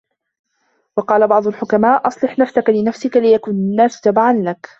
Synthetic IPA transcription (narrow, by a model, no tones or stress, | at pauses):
wɑqɑːlabɑʕd̪ˤʊlħʊkamaːʔʔɑsˤlɨħnafsakalɪnafsɪkalɪjakuːnanːaːsd͡ʒ̪abaʕanlak